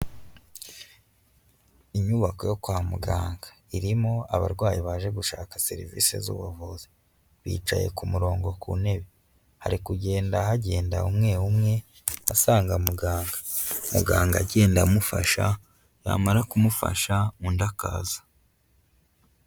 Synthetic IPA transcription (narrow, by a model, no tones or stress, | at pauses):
iɲuβako̞jo̞kwaːmuɡaːŋɡḁ | iɾimo̞a̰βa̰ɾɡwaːjiβaʒe̞ɡuʃaːkase̞̰ɾḭvḭːse̞̰zṵːβavuzi | βḭːt͡ʃa̰je̞̰kumuɾo̞ːŋɡo̞kṵne̞βe | ha̰ɾikuɟe̞ːndaɦaɟe̞ːndaumŋe̞umŋe̞ | asaːŋɡamuɡaːŋɡḁmṵɡaːŋɡaɟe̞ːndamufa̰ʃa | ja̰ːmaɾakumufa̰ʃaundaka̰ːzḁ